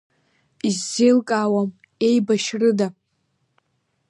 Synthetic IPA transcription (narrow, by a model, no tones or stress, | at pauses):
izːejlkʼaːwam | e̞jbaʃrɨda